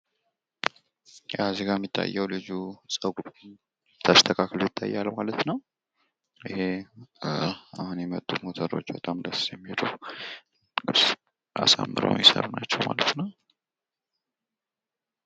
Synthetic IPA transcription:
jaziɡajɛmːit̪ʰːa̰jːɛwlɨd͡ʒusʼəɡu | t̪ʰast̪ʰəkʰakʰəljɪt̪ʰːajːalmalət̪nəw | ʔɨɦe̞ | ahunjɛmət̪ʼːumot̪ʰəɾo̞t͡ʃːbət̪ʼamləsjɛmːilu | ɨs | ʔa̰sa̰mːɨɾə̰wmjɪsə̰ɾnat͡ʃːɛwmalət̪nəw

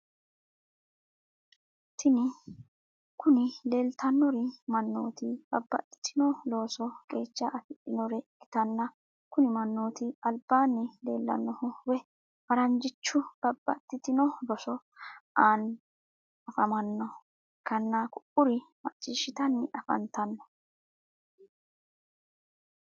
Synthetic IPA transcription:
t̪ʰːɪnɪ | kʊnɪle̞ːlt̪ʰɐnːɔɾɪmɐnːoːt̪ɪb̥ɐbːɐ̰t̪ːɪ̥t̪ʰːɪnɔlo̞ːsɔkʼe̞ːt͡ʃːɐʔɐfɪᶑɪnɔɾɛɡɪ̥t̪ɐnːɐ | kʊnɪmɐnːoːt̪ɪɐlbaːnːɪle̞̰ːlːɐ̰nːɔhʊwɛ | fɐɾɐnd͡ʒɪt͡ʃːʊb̥ɐbːɐt̪ːɪt̪ɪnɔlɔsɔ | aːn | ɐfɐmɐnːɔ | kɐnːakʊʔʊɾɪmɐ̰t͡ʃʼːiːʃɪt̪ɐnːɪʔɐfɐ̰nt̪ɐnːɔ

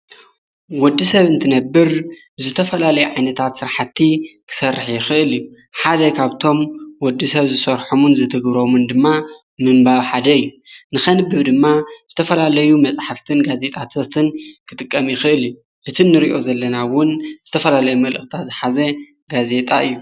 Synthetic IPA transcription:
wɔd̪ːisɐβɨnt̪ʰɨnɐbːɨɾ | zɨt̪ʰɐfɐlalɐjuʕajnɐt̪ʰat̪sɨɾħat̪ʰːikʰɨ̥sɐrːɨħjɪxɨʔɨlju | ħad̪ɐkʰaβt̪ʰo̞mwɔd̪ːisɐβzɨsɐɾħomunzɨt̪ʰɨɡβɾo̞mɨnd̪ɨmːa | mɨmbaβħad̪ɐɨjːu | nɨxɐnɨbɨβd̪ɨmːaz̥ɨt̪ʰɐfɐlalɐjumɐt͡sʼħaft̪ʰɨnɡaze̞t̪ʼat̪ʰot̪ʰɨnkʰɨt̪ʼɨkʼːɐmjɪxɨʔɨlju | ʔɨt̪ʰinːɨɾiʔo̞zɐlːɐnawʊnz̥ɨt̪ʰɐfɐlalɐjumɐlʔɨxʼt̪ʰat̪zɨħazɐ | ɡaze̞t̪ʼaɨjːu

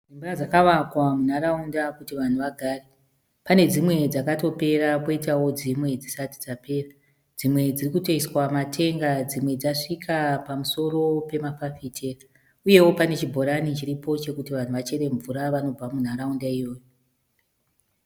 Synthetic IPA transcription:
d͡zimburad͡zakaʋakwamun̤aɾaundakutiʋan̤uʋaɡʱaːre | pane̞d͡zimwe̞d͡zakato̞pe̞ɾako̞itawo̞d͡zimwe̞d͡zisati̥d͡zape̞ːra | d͡zimwe̞d͡zirikutoiswamatʰe̞ŋɡad͡zimwe̞d͡zaʂikʰapamuso̞ɾo̞pe̞mafafitʰera | uje̞wo̞pane̞t͡ʃibʱo̞ɾanit͡ʃiɾipo̞t͡ʃe̞kutiʋan̤uʋat͡ʃe̞ɾe̞ɱvuɾaʋano̞b͡vamun̤aɾaundaijo̞ːjo

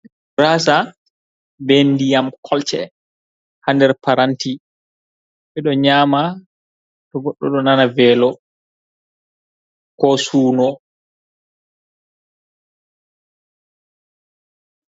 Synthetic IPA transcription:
ɾaːsa | bɛndijamkʰɔlt͡ʃɛ̰ | handɛɾpaɾanti | ɓɛɗɔɲaːma | tɔɡɔɗːɔ̰ɗɔnanavɛːlɔ | kɔsuːnɔ

